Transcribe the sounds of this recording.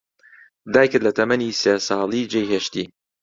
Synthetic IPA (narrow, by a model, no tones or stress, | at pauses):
d̪aːjkɨɾd̪lɐt̪ʰɐmɐniseːsɑːlˠiːd͡ʒejɦeːʃt̪iː